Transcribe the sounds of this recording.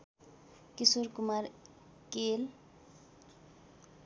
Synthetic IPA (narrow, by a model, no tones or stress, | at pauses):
kisoɾkumaɾ | kel